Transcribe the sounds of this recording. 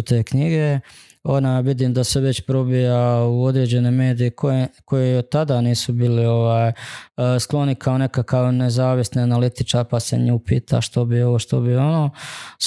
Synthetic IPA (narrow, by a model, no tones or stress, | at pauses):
t̪eːkɲiɡe̞ | o̞najʋid̪iːmd̪ase̞ʋe̞t͡ɕpɾo̞bijauo̞d̪ɾeːd͡ʑe̞neme̞ːd̪ijekʰoeko̞jeot̪ːad̪aniːsubiːlio̞ʋaːjsklˠo̞nikʰao̞ne̞kakaʋne̞zaːʋisnianalit̪it͡ʃaɾpaseɲuːpḭːt̪ʰa̰ʃt̪o̞bioʋoʃt̪obio̞noː